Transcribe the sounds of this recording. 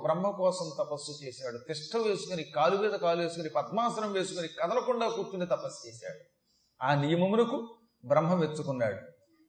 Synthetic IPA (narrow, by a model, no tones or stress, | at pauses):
bɾɐmɦɐkɔːsɐmt̪ɐpɐsːut͡ʃeːsaːɽut̪iʂʈːɐʋe̞ːsukɐnikaːluʋɛːd̪ɐkaːluʋeːsukɐnipɐd̪̚maːsɐɾɐmʋeːsukɐnikɐd̪ɐlɐkuɳɖaːkuːɾt͡ʃunit̪ɐpɐsːt͡ʃeːsa̰ːɽu | aːnijɐmɐmulɐku | bɾɐmɦɐʋet͡ʃːukunːa̰ːɽu